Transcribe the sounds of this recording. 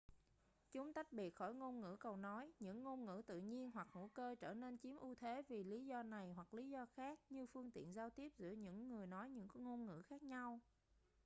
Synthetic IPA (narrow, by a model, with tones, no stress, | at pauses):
t͡ɕʊ˨˦ŋ͡mt̪a˦˥jk̚ɓi˨˩ət̚xɔ˧˩jŋo˧nŋɨ̰˧˥kə˨˩wnɔ˨˦jɲɨ̰˧˥ŋːo˧nŋɨ̰˧˥t̪ɨ̰˧˨ɲi˧ənɦwa˨˩k̚ŋṵ˧˥˩kəː˧t͡ɕəː˧˩ne˧nt͡ɕi˨˦mʔu˧t̪ʰe˨˦vi˨˩li˨˦zɔ˧na˨˩jɦwa˨˩k̚li˨˦zɔ˧xaː˦˥k̚ɲɨ˧fɨ˧əŋt̪ḭ˧˨ənzaː˧wt̪i˦˥əp̚zɨ̰˧˥əɲɨ̰˧˥ŋːɨ˨˩əjnɔ˨˦jɲɨ̰˧˥ŋŋo˧nŋɨ̰˧˥xaː˦˥k̚ɲa˧w